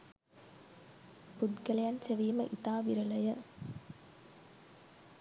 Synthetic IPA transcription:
pʊd̪kɐlɐjanseʋiːmɐʔit̪aːʋiɾɐlɐjɐ

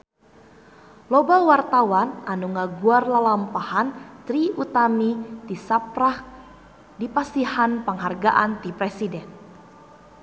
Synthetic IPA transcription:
lobawart̪awanʔanuŋaɡuarlalampahant̪ɾiut̪amidisapɾah | dipasihanpəŋɦarɡaʔant̪ipɾɛsidɛn

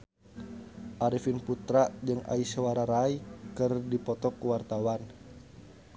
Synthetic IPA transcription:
ʔaɾifinput̪ɾaʔd͡ʒɨŋa̰isewaɾaɾaikɨrdipɔt̪ɔkuwart̪awan

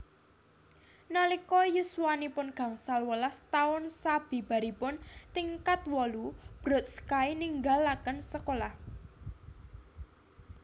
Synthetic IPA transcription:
nalikɔjusuwanipʊnɡ̥a̤ŋsalwəlast̪aʊnsab̥i̤b̥a̤ɾipʊnt̪iŋkat̪wɔlub̥ɾɔ̤t̪̚skainiŋɡalːakənsəkolah

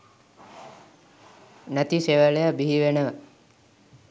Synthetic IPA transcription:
næt̪iseʋəlejabiɦiʋenəʋə

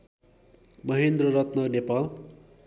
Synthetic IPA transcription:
mʌɦend̪rʌɾʌt̪nʌnepal

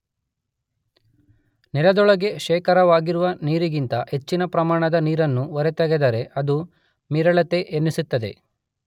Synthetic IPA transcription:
nɛlɐd̪ɔɭɐɡe̞ʃɛːkʰɐɾɐʋaːɡiɾuʋɐniːɾiɡint̪ɐhe̞t͡ʃːinɐpɾɐmaːɳɐd̪ɐniːɾɐnːuɔɾet̪ɐɡed̪ɐɾe̞ʔɐd̪u | miːɾɐɭɐt̪e̞ʔenːisut̪ːɐd̪e̞̰

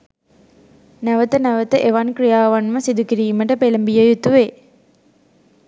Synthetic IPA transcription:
næʋət̪ənæʋət̪əʔeʋankrijaːʋanməsid̪ukiɾiːməʈəpeləmbijəjut̪uʋeː

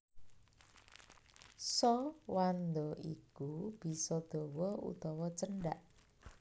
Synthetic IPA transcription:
sɔwand̪ɔʔḭkub̥i̤sɔd̪̥o̤wɔṵt̪ɔwɔt͡ʃənɖaʔ

